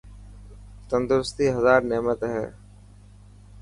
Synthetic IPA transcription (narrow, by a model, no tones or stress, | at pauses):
t̪ə̃nd̪ɾʊst̪iːɦɐzaːɾnɛːmət̪ɦɛ̰ː